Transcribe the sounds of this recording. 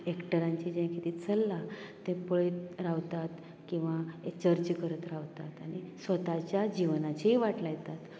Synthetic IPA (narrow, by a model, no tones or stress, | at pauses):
ekʈəɾãɲt͡ɕid͡ʑẽjkit̪it͡səlːat̪ẽpəɭet̪ɾaʋt̪at̪ | kĩw̃ʋaet͡ɕəɾt͡ɕkəɾət̪ɾaʋt̪at̪aɽ̃isʋət̪at͡ɕjad͡ʑiʋnat͡ɕeiʋaʈlajet̪at̪